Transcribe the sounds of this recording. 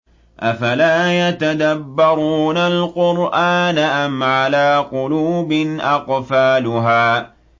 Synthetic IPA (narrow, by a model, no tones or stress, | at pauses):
ʔafalaːjat̪ad̪abːɑɾˤuːnalqʊɾʔaːnaʔamʕalaːqʊluːbɪnʔɑqfaːlʊɦaː